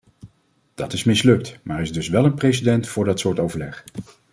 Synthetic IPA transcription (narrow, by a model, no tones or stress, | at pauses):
d̥ɑtɪsmɪslɵk̚tmaːɾɪzdɵsʋɛlənprejs̬idɛntfʊːɹdɑtsʊːɹtowvəɹlɛχ